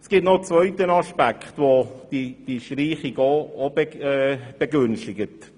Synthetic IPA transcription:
sɡ̥ɪtnot͡svœʏtənɑʃpækχtʋod̥id̥iʃtriːχiɡoobɛb̥ɛɡʏnʃtɪɡət

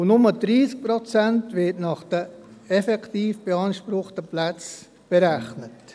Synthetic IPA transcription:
nʊməd̥ɾiːsk̚pɾɔt͡sæntʋɪtnɑχd̥əɛfɛktiːfb̥eɑnʃpɾʊχtəplæt͡s | b̥eɾæχnət

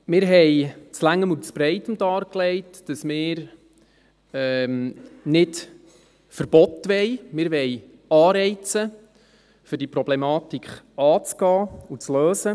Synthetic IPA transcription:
mɪːɾɦɛjt͡slæŋːəmut͡sb̥ɾɛɪtəmd̪ɑːɾklɛɪtd̥əsmɪːɾ | ɛmnɪt | fəɾb̥ɔt̪ʋɛjmɪːɾʋɛj | ɑːɾɛɪt͡sə | fʏɾdipɾɔblɛmɑːt̪ikʰχ | ɑːt͡sɡ̥ɑːut͡sløːsə

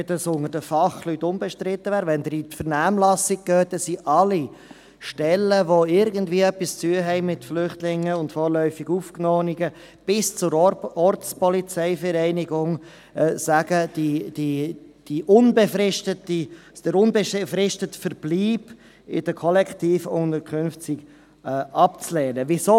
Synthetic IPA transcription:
dɑsʊŋəɾd̥əfɑχlytːʊmbɛʃtɾɪt̪ːəvæːɾvɛnd̪əɾit̪fəɾnæːmlɑsɪɡ̚ɡ̥øːt̚dəsiʔɑli | ʃtɛlːəʋoɪɾɡəndviːəœpːist͡syːəɦɛɪmɪtflʏχtlɪŋːəʊntfɔːɾlœʏfɪɡufknɔːniɡə | b̥ɪst͡sʊɾɔɾt͡spɔlit͡sɛɪfəɾɛɪnɪɡʊŋ | ɛsæɡəd̥id̥id̥iʔʊnbefɾɪʃtətid̥əɾʊnbeʃfrɪʃtətfəɾb̥liːb | ɪ̰d̥əkʰɔlɛktiːfʊnəkʰʏnft͡sɪk | ɛʔɑp̚t͡slɛːnəvɪsoː

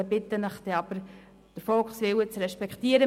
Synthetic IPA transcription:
əbɪtənəχd̥̪ɛɑb̥əɾ | d̥əɾfɔlksʋɪwət͡sɾɛʃpɛkχtiːəɾə

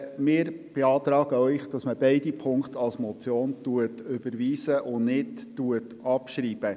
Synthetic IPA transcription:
mɪːɾb̥eɑːt̪ɾɑːɡ̥əœʏχd̥ɑsməbɛɪdipʰʊŋkχt̪ɑlsmɔt͡sjoːntuətʏb̥əɾʋiːsəʔʊnɪttuətɑpʃɾiːb̥ə

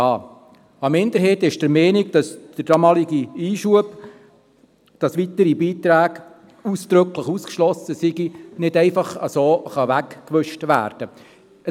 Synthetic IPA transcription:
ɑː | ɑmɪnd̥̪əɾheːtɪʃd̥əɾmɛːniɡ̚d̥ɑsd̥əɾd̥ɑmɑːliɡiiːʃuəb | d̥ɑsʋitəɾibiːtɾæːɡ | uːsd̥̪ɾɵkləχuːskʃlɔsəsiɡinɪdɛɪfɑχə̰soːχɑʋækːʋʏʃtʋæ̰ːɾd̥ə | ə

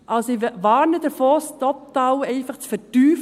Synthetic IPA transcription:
ʔɑlsɪʋɑːɾnəd̥əfɔːstɔp̚dawɛɪfɑχt͡sfətyːf

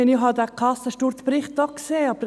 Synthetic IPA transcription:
ɪniɦɑd̪ækʰɑsəʃtuɾt͡spɾɪχt̚d̪ɔkseːɑbə

